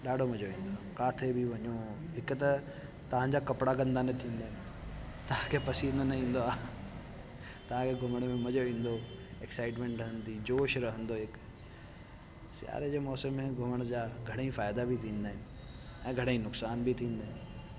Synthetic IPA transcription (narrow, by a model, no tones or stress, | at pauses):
ɗaːɖʱomɐd͡ʑoʋĩːnd̪oakaːt̪ʰebʱiʋɐɲoɦɪkt̪ɐ | t̪ɐʋ̤ãɲd͡ʑakɐpɽaɡɐ̃nd̪anət̪ʰĩːnd̪aːɪnɪ | t̪ɐʋ̤ãkʰepɐsiːnənɐĩːn̆d̪oaː | t̪ɐʋ̤ãkʰeɡʱʊməɽ̃mẽmɐd͡ʑoʋĩːnd̪oeksaːɪʈmẽːɳʈɾəɦə̃nd̪iːd͡ʑoːʃɾɐɦə̃nd̪oɪk | sja̰ːɾed͡ʑeːmɔːsəmːẽɡʱʊməɽ̃d͡ʑaːɡʱɐɽ̃aĩfaːjd̪abʱit̪ʰĩːnd̪aːɪnɪ | ɛ̃ːɡʱɐɽ̃aĩnʊksaːnbʱit̪ʰĩːnd̪aːɦɪnɪ